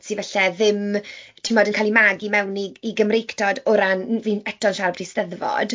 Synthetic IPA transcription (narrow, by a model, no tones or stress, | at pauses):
sivɛɬɛðɪmtʰɪmɔdənkʰaːlˠimaɡimɛwniːɡəmrejkʰtʰɔdʊɾanviːnɛtʰɔnʃarbdistəðvɔ̰d̥